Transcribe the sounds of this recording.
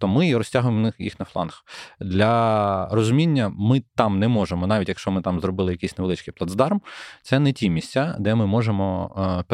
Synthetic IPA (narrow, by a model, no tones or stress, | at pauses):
t̪ɔmɪiɾɔsʲtʲaɦʊjemnɪxjḭxnɐflˠɑ̰nxd̪lʲɐrɔzʊmʲinʲːɐmɪt̪ɑmnɛmɔʒemɔnɑʋʲitʲjɐkʃt͡ʃɔmɪt̪ɑmzɾɔbɪlˠɪjɐkisʲneʋelˠɪt͡ʃʲkijplˠɐd̪zd̪ɑrmt̪sɛnɛtʲimʲisʲtʲad̪ɛmɪmɔʒemɔpʲ